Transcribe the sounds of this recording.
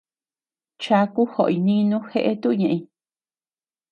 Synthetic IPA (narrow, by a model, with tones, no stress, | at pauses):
t͡ʃa˧˦ku˦ho˨ʔi˧nĩ˦nũ˦xe˦ʔe˦t̪u˦˧ɲã˧ʔĩ˧